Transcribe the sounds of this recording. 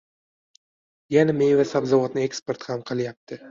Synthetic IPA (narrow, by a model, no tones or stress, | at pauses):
janamejvasabzavɒt̪nɪekspe̞ɾt̪hamqʰɨlˠjap̚t̪ʰɪ